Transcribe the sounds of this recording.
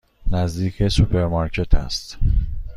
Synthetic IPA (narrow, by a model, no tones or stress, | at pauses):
næzd̪iːcʰesupʰe̞ɾmɑɾcʰe̞t̪ʰæ̰st̪